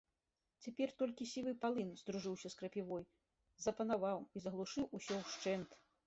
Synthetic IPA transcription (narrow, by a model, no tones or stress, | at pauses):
t͡sʲapʲɛrt̪ɔlʲkʲisʲivɨpalˠɨnzd̪ɾuʐɨwsʲɐskɾɐpʲivɔj | zɐpɐnavawizɐɣlˠuʂɨwʔusʲɔwʂt͡ʂɛnt̪